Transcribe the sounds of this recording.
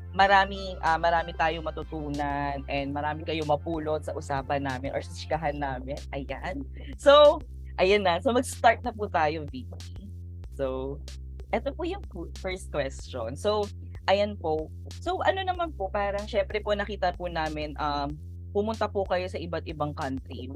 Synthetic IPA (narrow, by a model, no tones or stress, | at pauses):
mɐɾaːmɪʔɐmɐɾaːmɪt̪aːjoŋmɐt̪ʊt̪uːnɐnʔɛnd̪̚mɐɾaːmɪkɐjomɐpuːlot̪̚sɐʔʊsaːpɐnːaːmɪnʔɔɹsɪskɐɦanːaːmɪnʔɐjan | sow | ʔɐjɐnːɐnsomɐɡst̪aɹt̪̚nɐput̪aːjoviːki | so | ʔɛt̪opʊjʊŋffɛɹst̪̚kwɛst͡ʃonsow | ʔɐjɐnpo | sowʔɐno̞nɐmanpo̞paːɾɐŋʃɛmpɾɛponɐkiːt̪ɐpʊnaːmɪnʔam | pʊmʊnt̪ɐpʊkɐjo̞sɐʔɪbɐt̪̚ʔɪbaŋkɐnt̪ɾi